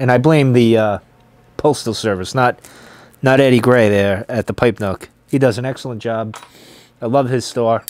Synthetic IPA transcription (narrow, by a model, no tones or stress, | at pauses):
ɨ̃ñaɪblẽɪ̃mðɨʌ | pʰoʊlˠstl̩ˠsɜ˞vɨsnət̚ | nəɾɛɾiɡɹeɪðə˞ɨt̪̚ðəpʰaɪp̚nʊk | hidʌzɨ̃nɛksl̩ˠə̃nd̥ʒ̥ɑb̚ | aɪlʌv̥ɨz̥stɔɹ